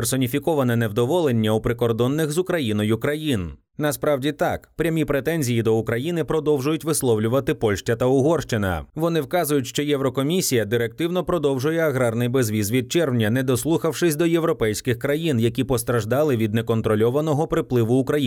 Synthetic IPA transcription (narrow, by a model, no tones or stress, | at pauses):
persɔnʲifʲikɔʋɐnɛnɛwd̪ɔʋɔlˠenʲːɐupɾɪkɔrd̪ɔnːɪxzʊkɾɐjinɔjʊkɾɐjin | nɐspɾɑwdʲit̪ɑkpɾʲɐmʲipɾet̪ɛnʲzʲijid̪ɔukɾɐjinɪpɾɔd̪ɔwʒʊjʊtʲʋɪslˠɔwlʲʊʋɐt̪ɪpɔlʲʃt͡ʃɐt̪ɐʊɦɔrʃt͡ʃɪnɐ̰ʋɔnɪwkɑzʊjʊtʲʃt͡ʃɔjɛwɾɔkɔmʲisʲijɐd̪ɪɾɛk̚t̪ɪwnɔpɾɔd̪ɔwʒʊjɛɐɦɾɑrnɪjbezʋʲizʋʲid̪̚t͡ʃɛrwnʲɐnɛd̪ɔslˠuxɐwʂɪsʲd̪ɔjewɾɔpɛjsʲkɪxkɾɐjinjɐkʲipɔst̪ɾɐʒd̪ɑlˠɪʋʲid̪nɛkɔnt̪ɾɔlʲɔʋɐnɔɦɔpɾɪplˠɪʋʊːkɾɐj